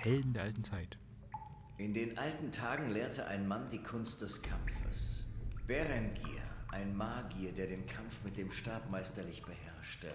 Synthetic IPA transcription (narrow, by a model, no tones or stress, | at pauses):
hɛldn̩deːɐʔaltn̩t͡saɪt | ʔɪndeːnʔaltn̩tʰaːɡŋ̩leːɐtəʔaɪnmandiːkʰʊnst̚d̥ɛskʰamfə̰sb̥ɛʁɛnɡḭːɐʔaɪnmaːɡiɐdeːɐdeːnkʰamfmɪt̚d̥eːmʃtaːpmaɪstɐlɪçb̥əhɛɐʃtə